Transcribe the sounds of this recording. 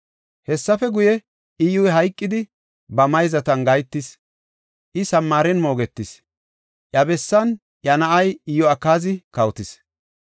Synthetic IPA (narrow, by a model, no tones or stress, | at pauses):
hɛsːɐfɛɡʊjɛ | ɪjʊjɦɐjkʼːɪd̪ɪ | bɐmɐjzɐt̪ɐnɡɐjt̪ːɪs | ʔɪsɐmːaːɾɛnmo̞ːɡɛt̪ːɪs | ʔjɐbɛsːɐn | jɐnɐʔɐjɪjɔɐkːaːzɪkɐwt̪ɪs